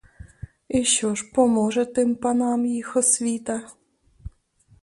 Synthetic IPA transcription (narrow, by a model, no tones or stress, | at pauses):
iɕoʃpɔmɔʒɛt̪ɪmpɑnɑmjixɔsʋʲit̪a